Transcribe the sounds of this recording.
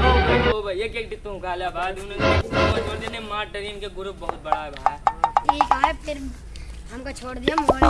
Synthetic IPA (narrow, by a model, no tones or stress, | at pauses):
obʱɐeːkeːk̚ɖɪt̪ːõɦʊkʰaːlaːbaːd̪ʊnẽokot͡ʃʰoːɾd̪inemaːʈəɾiːnkeɡʊɾʊp̚bɐɦʊt̪̚bɐɽ̤aːebʱaeːkaːɾpʰɪɾ | ɦɐmkat͡ʃʰoːɽd̪ijamo